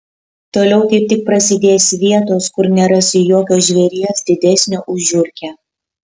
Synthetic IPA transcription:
t̪oːlʲɛʊt̪ɐɪp̚t̪ʲɪk̚pɾɐsʲɪd̪ʲeːsʋʲiɛt̪oːskʊɾnʲɛɾɐsʲɪjoːkʲoːʒʲʋʲɛɾʲiɛsd̪ʲɪd̪ʲɛsʲnʲoːʔʊʒʲʊɾʲkʲɛː

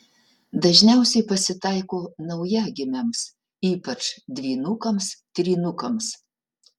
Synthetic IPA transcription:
d̪ɐʒʲnʲɛˑʊsʲɛɪpɐsʲɪt̪ɐˑɪkoːnɐʊjɛɡʲɪmʲɛms | iːpɐt͡ʃd̪ʲʋʲiːnʊkɐmst̪ʲɾʲiːnʊkɐms

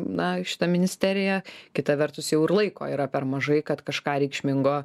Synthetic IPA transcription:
nɐʃʲɪ̥t̪ɐmʲɪnʲɪsʲt̪ʲæːɾʲɪjɛkʲɪt̪ɐʋʲɛɾt̪ʊsjɛʊɪɾlˠɐɪko̰ːiːɾɐpʲɛɾmɐʒɐɪkɐt̪kɐʃkɑːɾʲɛɪkʃʲmʲɪŋɡoː

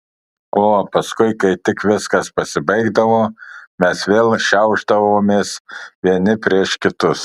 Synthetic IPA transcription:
oːpɐskʊɪkɐɪt̪ʲɪkʋʲɪskɐspɐsʲɪbɐɪɡd̪ɐʋoːmʲɛsʋʲeːlˠʃʲɛʊʒd̪ɐʋoːmʲeːsʋʲiɛnʲɪpʲɾʲiɛʃkʲɪt̪ʊs

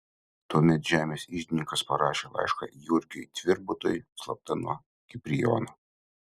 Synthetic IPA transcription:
t̪uɔmʲɛt̪ʒʲæːmʲeːsʲiːʒʲd̪ʲɪnʲɪŋkɐspɐɾɑːʃʲeːlˠɑ̰ɪʃkɑ̰jʊɾʲkʲɛjt̪ʲʋʲɪɾbʊt̪oːjslˠɐp̚t̪ɐnuɔ | kʲɪpʲɾʲɪjɔ̰ːno

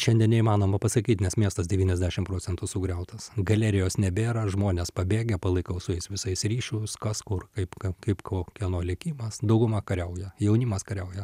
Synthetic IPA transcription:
ʃʲɛnʲd̪ʲiɛnnʲɛimɑːnoːmɐpɐsɐkʲiːt̪nʲɛsmʲiɛst̪ɐsdʲɛʋʲiːnʲɛzʲd̪ʲæʃʲɪmpɾoːt͡ssʲɛnt̪ʊsʊɡɾʲɛʊt̪ɐsɡɐlʲɛɾʲɪjoːsnʲɛbʲeːɾɐʒmoːnʲeːspɐbʲeːɡʲɛpɐlˠɐɪkɐʊsʊɛɪsʋʲɪsɐɪsɾʲiːʃʲʊskɐskʊrkɐɪpkɐkɐɪpkoːkʲɛnoːlʲɪkʲiːmɐsd̪ɐʊɡʊmɑkɐɾʲɛʊjɛjɛʊnʲiːmɐskɐɾʲɛʊjɛ

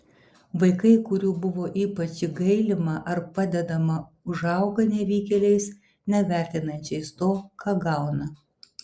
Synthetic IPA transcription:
ʋɐɪkɐɪkʊɾʲuːbʊʋoːʔiːpɐt͡ʃʲiɡɐɪlʲɪmɐʔɐɾpɑd̪ʲɛd̪ɐmɐ | ʊʒɑˑʊɡɐnʲɛʋʲiːkʲɛlʲɛɪs | nʲɛʋʲæˑɾʲt̪ʲɪnɐnʲt͡ʃʲɛɪst̪oːkɑːɡɑˑʊnɐ

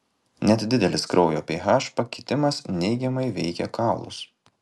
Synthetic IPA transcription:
nʲɛt̪d̪ʲɪd̪ʲɛlʲɪskɾʔɔʊjoːpʲiːɦɑːʃpɐkʲɪt̪ʲɪmɐsnʲɛɪɡʲɛmɐɪʋʲɛɪkʲɛkɑˑʊlˠʊ̰s

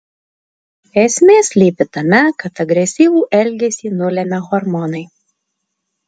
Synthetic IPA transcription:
ɛsʲmʲeːsʲlʲiːpʲɪt̪ɐmʲɛkɐt̪ɐɡɾʲɛsʲiːʋuːʔɛlʲɡʲɛsʲiːnʊlʲɛmʲɛɣɔɾmɔnɐɪ

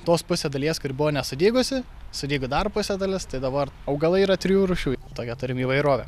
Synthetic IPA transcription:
t̪oːspʊsʲed̪ɐlʲiɛskʊɾʲɪbʊʋoːnʲɛsʊd̪ʲeːɡʊsʲɪ | sʊd̪ʲeiːɡʊd̪ɐrpʊsʲɛd̪ɐlʲɪst̪ɐɪd̪ɐbɐrɐʊɡɐlˠɐiːɾɐt̪ʲɾʲɪjuːɾʊʃʲuːt̪oːkʲɛt̪ʊɾʲɪmiːʋɐɪɾoːʋʲɛ

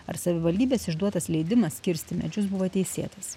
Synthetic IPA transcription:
ɐ̰ɾsɐʋʲɪʋɐlʲd̪ʲiːbʲeːsɪʒd̪uɔt̪ɐslʲɛɪd̪ʲɪmɐsːʲkʲɪɾʲsʲt̪ʲɪmʲɛ̰d͡ʒʲʊsbʊʋoːt̪ʲɛɪsʲḛːt̪ɐs

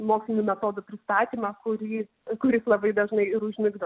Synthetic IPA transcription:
moːksʲlʲɪnʲuːmʲɛt̪oːd̪ʊpʲɾʲɪst̪ɑːt̪ʲiːmɑkʊɾʲiː | kʊɾʲɪslˠɐbɐɪd̪ɐʒnɐɪɪɾʊʒʲmʲɪɡd̪ɐ

